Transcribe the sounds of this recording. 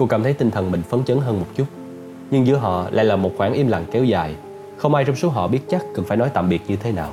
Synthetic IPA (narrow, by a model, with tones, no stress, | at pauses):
ko˧kaː˧˩mt̪ʰjt̪i˧ŋ̟t̪ʰə˨˩nmï˨˩ŋ̟fə˨˦nt͡ɕəː˨˦nɦəː˧nmo˨˩t̚t͡ɕu˦˥t̚ | ɲɨ˧ŋzɨ˨˧˦əɦɔ̰˧˨la̰ː˧˥jlaː˨˩mo˨˩t̚xwaː˧˩nʔi˧mla̰˨˩ŋkɛ˨˦wzaː˨˩j | xə˧wŋ͡mʔaː˧jt͡ɕɔ˧wŋ͡mso˨˦ɦɔ̰˧˨ɓi˦˥ət̚t͡ɕa˦˥k̚kɨ˨˩nfaː˧˩jnɔ˨˦jt̪a̰ː˧˨mɓi˨˩ət̚ɲɨ˧t̪ʰe˨˦naː˨˩w